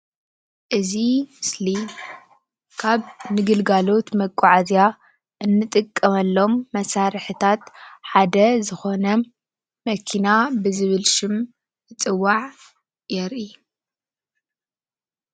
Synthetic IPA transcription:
ʔɨzimɨsli | kʰaβnɨɡɨlɡalo̞t̪mɐkʼːɔʕazja | ʔɨnːɨt̪ʼɨkʼːɐmɐlːo̞mːɐsaɾɨħɨt̪ʰat̪ħad̪ɐzɨxo̞nɐ | mɐkʰinabɨzɨβɨlʃɨm | ɨt͡sʼɨwːaʕ | jɛɾʔi

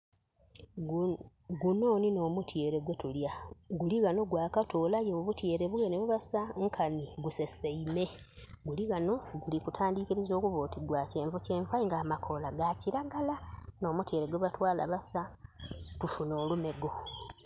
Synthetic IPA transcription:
ɡuno̞ːnino̞ːmutʰje̞ːɾe̞ɡwe̞tuljaɡuliɣano̞ɡwaːkato̞ːlajo̞ːβutje̞ːɾe̞βuweneβuβasaŋkʰaniɡuseseime̞ | ɡuliɣano̞ɡulikutʰaːndikiɾizo̞ːkuβoːtiɡwace̞ːɱvuce̞ːɱfaiŋɡaːmakʰo̞laɡaciɾaɡalano̞ːmutje̞ːɾeɡweβatwaːla̰βasa | tufuno̞ːlume̞ɡo̞

